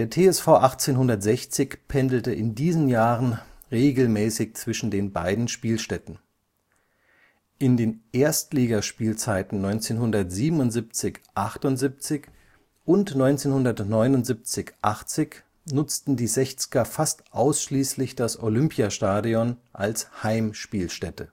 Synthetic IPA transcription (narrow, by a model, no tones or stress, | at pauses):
d̥eːɐtʰeːɛsfaʊʔaχt͡seːnɦʊndɐtz̥ɛçt͡sɪçpʰɛndl̩təʔɪndiːzn̩jaːʁənʁeːɡl̩mɛːsɪçt͡sv̥ɪʃn̩deːnba̰ɪdn̩ʃpiːlʃtɛtn̩ | ʔɪndeːnʔeːɐstliːɡɐʃpiːlt͡saɪtn̩nɔʏnt͡seːnhʊndɐtz̥iːbm̩ʊntz̥ip̚t͡sɪçʔaχtʊntzip̚t͡sɪç | ʔʊntnɔʏnt͡seːnhʊndɐtnɔʏnʊntz̥ip̚t͡sɪçʔaχt͡sɪç | nʊt͡stn̩diːzɛçt͡sɪ̥ɡ̥ɐfastʔaʊsʃliːslɪçd̥asʔolʏmpjaʃtaːdiɔnʔalshaɪmʃpiːlʃtɛtə